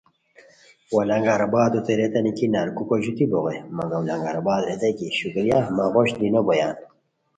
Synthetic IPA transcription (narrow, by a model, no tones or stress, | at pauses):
wɐlɐŋɡaɾɐbaːd̪ot̪eɾet̪ɐnikinaɾkukoʑut̪iboɣemɐŋɡɐwlɐŋɡaɾɐbaːd̪ɾet̪ɐjkiɕukɾjamaʁoɕd̪inobojaːn